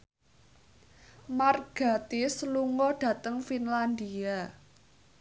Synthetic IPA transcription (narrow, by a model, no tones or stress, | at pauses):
marɡ̥a̤t̪isluŋɔɖ̥ä̤t̪əŋfinland̪ia